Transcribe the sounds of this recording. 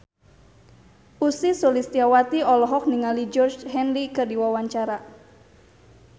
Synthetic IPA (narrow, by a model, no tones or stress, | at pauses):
ʔusisolist̪iawat̪iɔlɔɦɔk̚niŋalid͡ʒɔrt͡ʃɦɛnlikɨrdiwawaɲt͡ʃaɾa